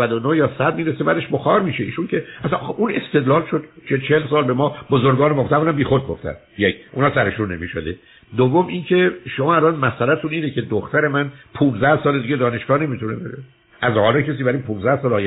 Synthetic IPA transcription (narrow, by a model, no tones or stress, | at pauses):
æd̪onojɒːsæd̪̚miːɾesebæd̪e̞ʃboxɒːɾmiːʃe̞ḭːʃuncʰe̞æsænʔune̞st̪e̞d̪lɒːlʃod̪̥t͡ʃet͡ʃʰelsɒːlbe̞mɒːbozoɾɡɒːnemft̪æmunæmbiːxo̞d̪̚ɡoft̪æ̰n | jecʰʔunɒːsæɾe̞ʃunːemiʃo̰d̪ḛ | d̪ovːomincʰe̞ʃomɒːælɒnmæsælæt̪ʰuniːnecʰe̞d̪oxt̪æɾe̞mænpʰũːnzd̪æhsɒːled̪iɡɟed̪ɒːne̞ʃɡɒːne̞mit̪ʰunebeɾe | ʔæzhɒːlɑcʰes̬iːbæɾiːnpʰuːnzæhsɒːlɒːj